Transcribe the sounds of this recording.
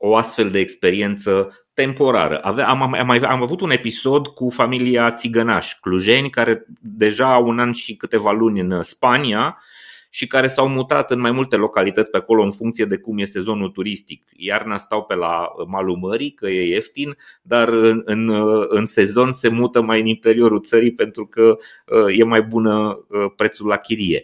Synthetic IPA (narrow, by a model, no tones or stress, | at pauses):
o̞ast̪fe̞ld̪e̞ːkspe̞ɾie̞nt̪sə | t̪e̞mpo̞ɾa̰ɾə̰ʔavamamajamavut̪une̞piso̞d̪kufamiliat̪siɡənaʃʲkluʒe̞nʲkaɾe̞d̪e̞ʒaːunanʃikɨt̪e̞valunʲɨnspania | ʃikaɾe̞sawmut̪at̪ɨnmajmult̪e̞lo̞kalit̪ətsʲpeako̞lo̞ɨnfuŋkt̪sije̞d̪e̞kumje̞se̞zo̞nult̪uɾist̪ik | jarnast̪awpe̞la̰əmaluməɾikəjeeft̪in | d̪arɨɨnɨnse̞zo̞nse̞mut̪əmajɨnint̪e̞ɾio̞ɾult̪səɾijpe̞nt̪ɾukə | əje̞majbunəəpɾe̞t̪sulːakʲiɾije̞